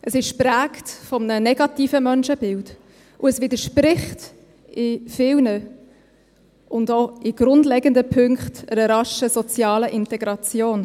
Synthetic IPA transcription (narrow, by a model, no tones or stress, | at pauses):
ʔəsɪʃpræːktfɔmnənɛɡɑtiːfəmœnʃəbɪld | ʔʊəsvɪdəʃpɾɪχt | ɪfɪlnə | ʔʊndoɪɡ̥ɾʊndlɛɡəndəpʰʏŋkχtəɾəɾɑʃəsɔt͡sjɑːləʔɪntɛɡɾɑt͡sjoːn